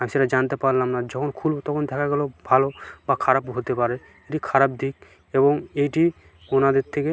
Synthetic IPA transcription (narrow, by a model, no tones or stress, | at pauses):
amiseʈad͡ʒant̪epaɾlamnad͡ʒɔkʰonkʰulbot̪ɔkʰond̪ʱɛkʰaɡɛlobʱalobakʰaɾabɦot̪epaɾe | eʈikʰaɾab̚d̪ʱik | ebɔŋejʈi | onad̪eɾt̪ʰːeke